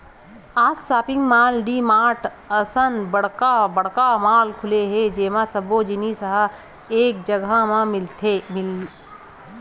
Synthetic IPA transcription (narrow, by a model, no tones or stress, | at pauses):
aːssaːpɪ̃ŋɡmaːlɖimaːʈʰ | əsənbɐɽ̤kabɐɽ̤kamaːlkʰʊleɦed͡ʒeːmãsɐbod͡ʒɪnisəɦə | eːk̚d͡ʒəɡamãmɪlt̪ʰemɪl